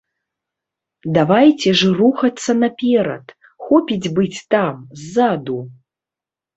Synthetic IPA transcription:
d̪avajt͡sʲɛʐɨruxɐt̪sːɐnapʲɛɾɐ̰t̪ | xɔpʲid͡zʲbɨt͡sʲt̪amzːad̪u

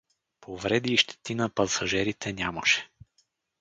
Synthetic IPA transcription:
pʰovɾɛd̪iʃt̪ɛ̥t̪inɐpɐsɐʒɛɾit̪ʰɛnʲaməʃɛ̥

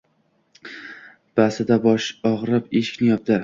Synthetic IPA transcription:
b̥asɪd̪abɒʃɒʁɾɪpeʃɪ̥kʲnɪjɒp̚d̪ɪɾ

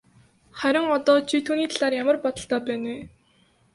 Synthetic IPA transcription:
χæɾʲɪ̆ŋɔt̪ɔːt͡ɕʰit̪ʰuːniːt̪ʰaɮaːrjamə̆rpɔt̪ɞ̆ɬt̪ɔːpæːneː

